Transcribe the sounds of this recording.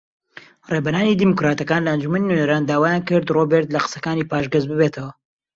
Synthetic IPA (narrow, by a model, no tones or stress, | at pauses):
rebɐnaːniːd̪imukɾaːt̪ɐkaːnlɐɐnd͡ʒumɐninunɐɾaːnd̪aːwaːjaːnkɨɾd̪robeɾt̪lɐqə̥sɐkaːniːpaːʃɡɐzbɨbeːt̪ʰɐwɐ